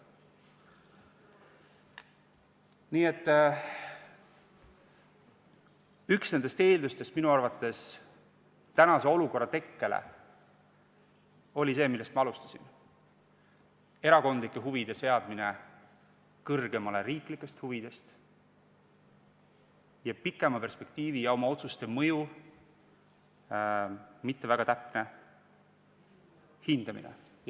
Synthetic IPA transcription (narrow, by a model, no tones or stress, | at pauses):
niːet̪ːˑ | yksne̞nd̪e̞st̪e̞ːld̪ust̪e̞st̪minuɑrvɑt̪ːˑe̞s | t̪ænɑse̞o̞luko̞rːɑt̪e̞kːe̞lḛ | o̞lʲise̞ːmilːest̪mɑɑlust̪ɑ̥sin | e̞ɾɑko̞nd̪likːˑe̞ɦuvid̪̥e̞se̞ɑd̪̥̚mine̞ | kɤrɡe̞mɑle̞ɾiːklikːˑe̞st̪huvid̪̥e̞st̪ | jɑpikːˑe̞mɑpe̞rspe̞k̚t̪iːvijɑo̞mɑo̞t̪sust̪e̞mɤju | mit̪ːe̞væɡ̥ɑt̪æpne | hind̪̥ɑmḭnḛ